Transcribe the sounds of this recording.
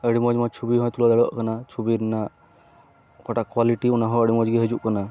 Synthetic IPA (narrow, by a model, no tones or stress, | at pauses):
əɽimɔd͡ʒmɔjt͡ʃʰubiɦɔjt̪ulad̪aɽɔʔkanat͡ʃʰubiɾna | kɔʈakwaliʈiunaɦɔəɽimɔd͡ʒɡiɦed͡ʒuʔkana